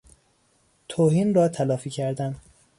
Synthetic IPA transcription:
t̪ʰoːhiːnrɒːt̪ʰælɒːfiːcʰæɾd̪æn

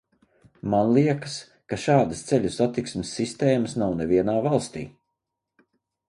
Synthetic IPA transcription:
manlˠiɛkə̥s | kaʃaːd̪əst̪sɛlʲusat̪iksmɪsːist̪eːməsnawnɛviɛnaːvalˠst̪ḭː

